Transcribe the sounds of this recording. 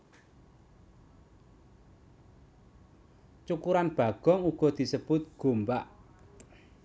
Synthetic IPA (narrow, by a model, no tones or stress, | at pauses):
t͡ʃukuɾanb̥ä̤ɡ̥ɔ̤ŋuɡ̥ɔ̤d̪̥i̤səb̥ʊt̪̚ɡ̥o̤mbaʔ